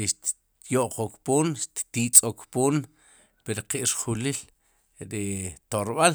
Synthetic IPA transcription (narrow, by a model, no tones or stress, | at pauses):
iʃt̪ | joʔqokpoːnʃt̪t̪iːt͡sʼokpoːn | peɾqiʔɾχulil | ɾit̪oɾɓal